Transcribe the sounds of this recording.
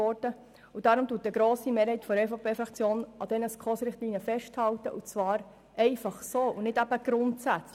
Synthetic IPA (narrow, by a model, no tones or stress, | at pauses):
ɔɾdə | ud̥ɑɾʊmt̪uːt̚əɡɾoːsimeːɾhɛɪtfɔɾɛfopʰeːfɾɑkt͡sjoːnɑd̥̪ɛnəskʰχɔːsɾɪχt̪liːniəfɛʃthɑwtə̰ʔut͡svɑːɾ | ɛɪfɑχsoːʔunɪdæb̥əɡ̥ɾʊntsæt͡s